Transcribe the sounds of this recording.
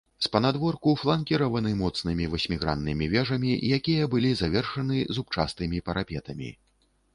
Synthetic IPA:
spɐnad̪vɔrkuflˠankʲiɾɐvɐnɨmɔt̪snɨmʲivɐsʲmʲiɣɾa̰nːɨmʲivʲɛʐɐmʲijakʲijɐbɨlʲizavʲɛrʂɐnɨzup̚t͡ʂast̪ɨmʲipɐɾapʲɛt̪ɐmʲḭ

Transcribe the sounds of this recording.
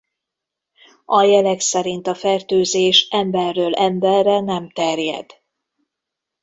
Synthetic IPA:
ʔɒjɛlɛksɛɾint̪ɒfɛrt̪øːzeːʃɛmbɛrːøːlɛmbɛrːɛnɛmt̪ɛrjɛ̰d̪̥

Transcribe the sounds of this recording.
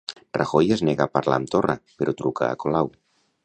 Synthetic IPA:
ra̰xojezneɣapaɾla̰nt̪ora̰peɾot̪ɾuka̰ːkolaw

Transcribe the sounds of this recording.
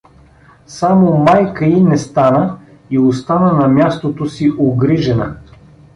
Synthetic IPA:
samomajkəinɛst̪anə | iost̪anənɐmʲjast̪ot̪osiʔoɡɾiʒɛnə̰

